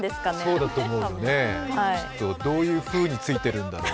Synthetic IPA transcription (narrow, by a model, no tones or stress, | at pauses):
d̪esɨ̥kasoːd̪at̪o̞ːmo̞ɯjoneat̪ːod̪o̞ːjɯ̟ːɸɯ̟ːɲ̟it͡sɨit̪e̞ɾɯ̟̃nd̪aɾo